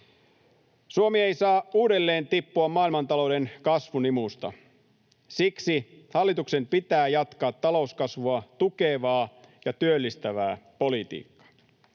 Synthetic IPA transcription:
suomie̞jsɑːuːde̞lːe̞ːnt̪ipːuɑmmɑːilmɑnt̪ɑlo̞wde̞nkɑsʋunimust̪ɑ̰ | siksihɑlːit̪uksempit̪æːjɑt̪kɑːt̪ːɑlo̞uskɑsʋuɑt̪uke̞ːʋɑːjɑt̪yølːist̪æʋæ̰ːpo̞lit̪ḭːkːɑ̥

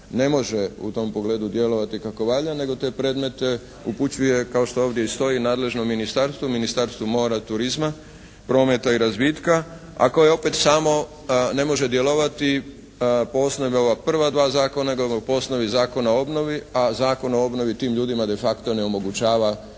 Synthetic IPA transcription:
ne̞mo̞ʒeṵt̪o̞mpo̞ɡle̞ːd̪ud̪je̞lo̞ʋat̪ikako̞ʋaʎane̞ɡo̞t̪e̞ːpɾe̞d̪me̞t̪e | uput͡ɕuje̞kao̞ʃt̪o̞oːʋd̪je̞ist̪o̞inaːd̪le̞ʒnomːinist̪aɾst̪ʋuminist̪aɾst̪umo̞ːɾat̪uɾizma | pɾo̞ːme̞t̪aiɾazbiːt̪ka | a̰ko̞jeo̞pe̞t̪saːmo̞ | ne̞mo̞ʒe̞d̪je̞lo̞ʋat̪i | poosno̞ʋeo̞ʋapr̩ʋad̪ʋaːzaːko̞naɡopo̞sno̞ʋizaːko̞naoo̞bno̞ʋiazaːko̞noo̞bno̞ʋit̪iːmʎuːd̪imad̪e̞fakt̪o̞ne̞omo̞ɡut͡ɕaːʋa

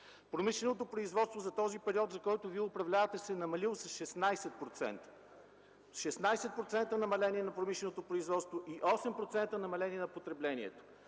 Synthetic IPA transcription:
pɾomiʃlɛnot̪opɾoizvɔt̪st̪vozɐt̪ɔzipɛɾiɔt̪zɐkɔjt̪ʊviɛʊpɾɐvlʲavɐt̪ɛsɛnɐmɐlilˠosɐsʃɛsnajsɛt̪̚pɾot̪sɛ̰nt̪ə̥ | ʃɛsnajsɛt̪̚pɾot̪sɛnt̪ənɐmɐlɛniɛnɐpɾomiʃlɛnot̪opɾoizvɔt̪st̪voʔiʔɔsɛmpɾot̪sɛnt̪ənɐmɐlɛnʲiɛnɐpot̪ɾɛblɛnḭɛ̰t̪o̥

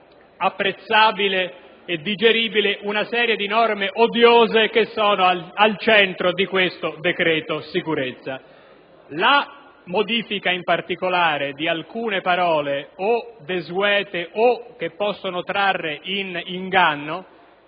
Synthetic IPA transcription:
apːɾet̪sːaːbile | ed̪ːid͡ʒeɾiːbileʔunasɛːɾjed̪inɔrmeʔod̪joːzek̟esːɔːnoalt͡ʃɛnt̪ɾod̪ikwest̪od̪ekɾɛːt̪osikuɾet̪sːa | la | mod̪iːfikaimpart̪ikolaːɾed̪ialkuːnepaɾɔːleod̪ezwɛːt̪eʔok̟ːepːɔsːonot̪ɾarːeʔiniŋɡanːo

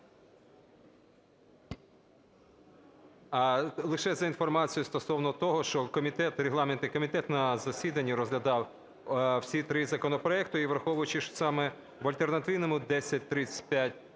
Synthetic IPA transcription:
ɐlˠɪʃɛzɐinfɔrmɑt͡sʲijʊst̪ɔsɔwnɔt̪ɔɦɔʃt͡ʃɔkɔmʲit̪ɛt̪ɾʲeɦlˠɑment̪ɪkɔmʲit̪ɛt̪nɐzɐsʲid̪ɐnʲːiɾɔzɦlʲɐd̪ɑw | wsʲit̪ɾɪzɐkɔnɔpɾɔɛkt̪ʊiʋɾɐxɔʋʊjʊt͡ʃɪʃsɑmɛ | ʋɐlʲt̪e̞rnɐt̪ɪwnɔmʊd̪ɛsʲɐt̚ʲt̪ɾɪt͡sʲə̥tʲpʲjatʲ

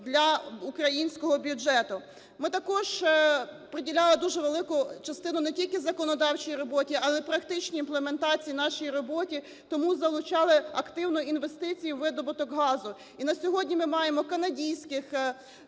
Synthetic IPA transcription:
d̪lʲɐukɾɐjinʲsʲkɔɦɔbʲjud͡ʒɛt̪ʊ | mɪt̪ɐkɔʒ | pɾedʲilʲɑlˠɪd̪uʒɛʋelˠɪkʊt͡ʃɐst̪ɪnʊnɛtʲilʲkɪzɐkɔnɔd̪ɑwt͡ʃijiɾɔbɔtʲiɑlˠɛpɾɐkt̪ɪt͡ʃʲnʲiːnplˠement̪ɑt͡sʲijinɑʃijiɾɔbɔtʲi | t̪ɔmuzɐlˠʊt͡ʃɑlˠɪɐkt̪ɪwnɔinʋest̪ɪt͡sʲijʊʋɪd̪ɔbʊt̪ɔkɦɑzʊ | inɐsʲɔɦɔdʲnʲimɪmɑjemɔkɐnɐdʲijsʲkɪx

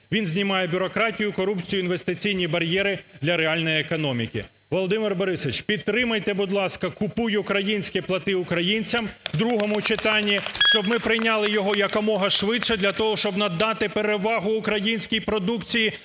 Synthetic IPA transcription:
ʋʲinzʲnʲimɑjɛbʲʊɾɔkɾɑtʲijʊkɔɾupt͡sʲijʊinʋest̪ɪt͡sʲijnʲibɐɾʲjɛɾɪd̪lʲɐɾeɑlʲnɔjiekɔnɔmʲikʲɪ̰ | ʋɔlˠɔd̪ɪmɪrbɔɾɪsɔɪt͡ʃpʲid̪t̪ːɾɪmɐjt̪ebʊd̪lˠɑskɐkʊpujkɾɐjinʲsʲkʲɛplˠɐt̪ɪʊkɾɐjinʲt͡sʲɐmd̪ɾuɦɔmʊt͡ʃɪt̪ɑnʲːiʃt͡ʃɔbmɪpɾɪjnʲɑlˠɪjɔɦɔjɐkɔmɔɦɐʃʋɪdʃɛd̪lʲɐt̪ɔɦɔʃt͡ʃɔbnɐd̪ːɑt̪ɪpeɾeʋɑɦʊːkɾɐjinʲsʲkʲijpɾɔd̪ukt͡sʲiji

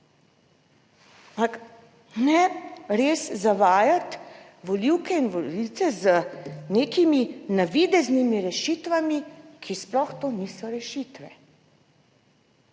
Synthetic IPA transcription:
ak | nɛɾeːszaʋaːjat̪ | ʋɔliwkɛinʋɔliwt̪sɛzəneːkiminaʋid̪ɛznimiɾɛʃiːt̪ʋamikʰisplɔxt̪oːniːsɔɾɛʃiːt̪ʋɛ

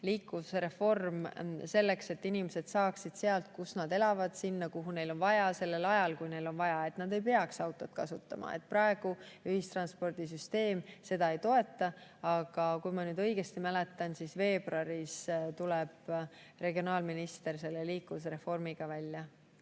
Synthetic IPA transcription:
liːkːˑuvuseɾe̞fo̞rmse̞lːe̞kse̞t̪ːinimesed̪̥sɑːksid̪̥se̞ɑlt̪̚kusnɑd̪e̞lɑvɑd̪̥sinːɑkuɦune̞jlo̞nvɑjɑse̞lːe̞lɑjɑlkujne̞jlo̞nvɑjɑe̞t̪nɑd̪e̞jpe̞ɑksɑwt̪ːˑo̞t̪̚kɑsut̪ːˑɑ̰mɑ̰ḛt̪̚ːˑprɑe̞ɡ̥uyhist̪rɑnspo̞rd̪̥is̬yst̪e̞ːmse̞d̪ɑe̞jt̪o̞e̞t̪ːˑɑɑɡ̥ɑkujmɑnyːd̪̥ɤjɡ̥e̞st̪imæle̞t̪ːˑɑnsisve̞ːb̥rɑɾist̪uleb̥ | re̞ɡio̞nɑːlminist̪e̞rse̞lːeliːkːuus̬eɾe̞fo̞rmiɡ̥ɑvælʲːjɑ

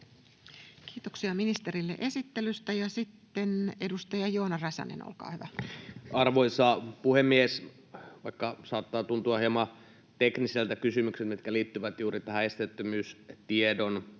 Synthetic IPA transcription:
kiːt̪oksiɑminist̪erilːḛʔe̞sit̪ːelyst̪æjɑsit̪ːenedust̪ɑjɑjoːnɑrɑsɑ̰nḛno̰lkɑ̰ːhyʋæɑrʋoisɑːpuhemːies | ʋɑikːɑsɑːt̪ːɑːt̪unt̪uɑhiemɑ | t̪ekniselt̪ækysymykselt̪mit̪kæliːt̪ːyʋæt̪juːrit̪æhæest̪et̪ːømyːst̪iedon

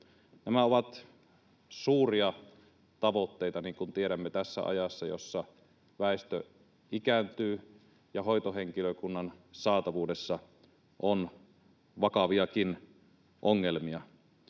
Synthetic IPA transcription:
næmæoʋɑt̪ | suːriɑ | t̪ɑʋot̪ːeit̪ɑniːŋkunt̪ieɾæmːet̪æsːæ̰ɑ̰jɑsːɑjo̰sːɑ | ʋæˑest̪ø | ikænt̪yː | jɑhoˑjt̪oheŋkiløkunːɑnsɑːt̪ɑʋuːdesːɑ | ʔon | ʋɑkɑʋiɑkin | ʔoŋːelmiɑ

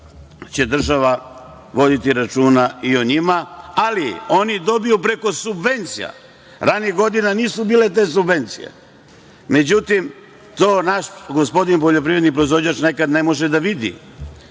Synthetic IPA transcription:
t͡ɕe̞d̪r̩ʒaʋa | ʋo̞d̪it̪iɾat͡ʃuːnaio̞ɲimaalio̞nid̪o̞bijupɾe̞ko̞subʋe̞nt̪sija̰ | ɾaniɡo̞d̪inaniːsubiːle̞t̪̬e̞ːs̬ubʋe̞nt̪sḭjḛ | me̞d͡ʑut̪im | t̪o̞ːnaʃɡo̞spo̞d̪inp̬oʎo̞p̬ɾiʋɾed̪nipɾoizʋo̞d͡ʑaːt͡ʃne̞kad̪ne̞mo̞ʒed̪aʋid̪ḭ

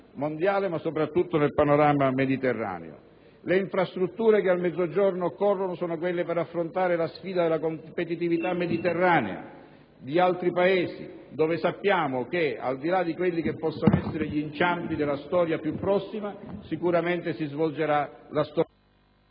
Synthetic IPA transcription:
mond̪jaːlemasːopɾat̪ːut̪ːonelpanoɾaːmamed̪it̪erːa̰ːnḛo̰ | leiɱfɾast̪ɾut̪ːuːɾekealmɛd̪zːod͡ʒornokɔrːonosɔːnok̬welːepeɾafːɾont̪aːɾelasfiːd̪ad̪elːakompet̪it̪ivit̪amːed̪it̪erːaːnḛa̰ | d̪ialt̪ɾipaeːsḭ | d̪ɔːvɪsapːjaːmok̟ea̰ld̪ilad̪ikwelːikepːɔsːanoɛsːeɾeʎint͡ʃampid̪elːast̪ɔːɾjapjupːɾɔsːimasikuɾament̪esizvold͡ʒeɾalast̪ɔ

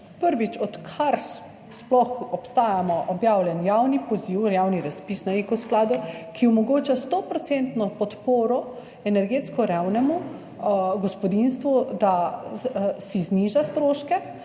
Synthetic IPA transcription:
pəɾʋit͡ʃɔt̪kʰaɾs | splɔxɔpst̪aːjamɔʔɔbjaːwljɛnjawnipɔziwɾjaːwniɾaspiːsnaekɔsklaːd̪ukiɔmɔɡoːt͡ʃast̪ɔpɾɔt̪sent̪nɔpɔt̪poːɾɔ | ɛnɛɾɡeːt̪skɔɾawnɛmu | ɡɔspɔd̪inst̪ʋud̪a | sizniʒast̪ɾoːʃkɛ

